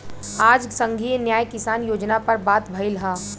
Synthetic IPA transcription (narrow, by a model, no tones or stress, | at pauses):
aːd͡ʒsə̃ŋɡʱinjaːjkɪsaːnjoːd͡ʒnapɐɾbaːt̪bʱɐɪlɦaː